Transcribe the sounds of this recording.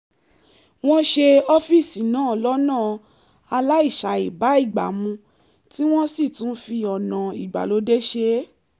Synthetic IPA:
w̃ɔ̃˦ʃe˧ɔ˦fi˦˨si˨nãː˨˦˨lɔ˦nãː˦˨ | a˧la˦i˦˨ʃa˨i˨ba˨˦i˦˨ɡ͡ba̰˨mũ˧ | ti˦w̃ɔ̃˦si˦˨tũ˨˦n̩˦fi˧ɔ˨nã˨i˨ɡ͡ba̰˨lo˨˦de˦ʃe˦

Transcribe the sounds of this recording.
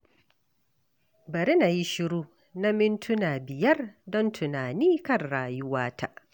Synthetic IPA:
bɐ˨ɾɪ˦na˨ji˦ʃɪ˦ɾuː˦ | na˦mɪ˦ntʰʊ˦naː˨bɪ˨jɐ˦rdɔ˦ntʰʊ˨naː˨niː˦kɐ˦˨rɽaː˨jʊ˦waː˦ta̰˦ʔ

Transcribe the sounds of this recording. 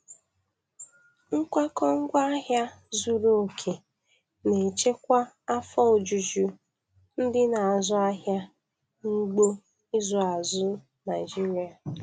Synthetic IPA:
ŋ̩˦kʷa˦kɔ˦ŋ̩˦ɡʷa˦ɦja˦ | zu˨ɾu˦˨kʰe˨ | ne˨t͡ʃe˦kʷa˦ | a˦fɔ˦o˨d͡ʒu˨d͡ʒu˦ | n̩˦dɪ˦na˨a˨zʊ˦a˦ɦja˦ | ŋ̩˦ɡ͡bo˦ | i˦zɔ˨a˨zʊ˦ | na˨ɪ˨d͡ʒi˦ɾi˨a˨

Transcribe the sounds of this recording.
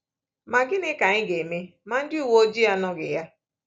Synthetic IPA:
ma˨ɡɪ˦nɪ˦ka˨ɲɪ˦ɡe˨me˦ma˨n̩˦dɪ˦u˨wo˦o˦d͡ʒi˦ja˦nɔ˦ɡɪ̰˨ja˦

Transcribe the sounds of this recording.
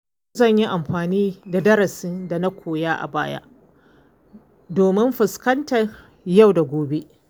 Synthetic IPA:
zɐ˦˨ɲji˦ʔa˨mɸaː˨niː˦da˨dɐ˦ɾɐ˨sɪ˦nda˨na˦kʷoː˨jaː˦ʔa̰˨baː˦ja̰˦ʔ | doː˨mɪ˦mɸɪ˨skɐ˦ntɐ˨ | ja˦˨wda˨ɡʷoː˨be˦ʔ

